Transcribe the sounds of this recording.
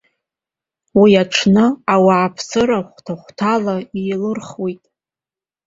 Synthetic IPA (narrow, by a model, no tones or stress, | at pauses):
wiaʈ͡ʂʰnɨawaːpʰsɨɾaχʷtʰaχʷtʰalaiːlɨrχwitʼ